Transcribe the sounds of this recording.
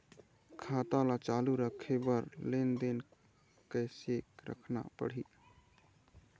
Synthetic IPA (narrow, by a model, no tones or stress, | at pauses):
kʰaːt̪alat͡ʃaluɾəkʰebəɾlend̪en | kəɪsekɾə̰kʰna̰pə̰ɽ̤i